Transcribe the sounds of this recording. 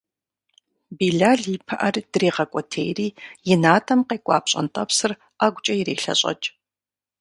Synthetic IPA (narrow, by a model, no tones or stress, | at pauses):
biːɮaːɮipʰɐʔɐrd̥reːʁɐkʷʼɔtʰḛːjriːjɪnaːtʰʼɐmqeːkʷʼɑ̰ːpɕʼɐ̰ntʼɐpsɨr | aːɡʷʊt͡ʃʼɐjɪɾḛːɬɐ̰ɕʼɐ̰t͡ʃʼ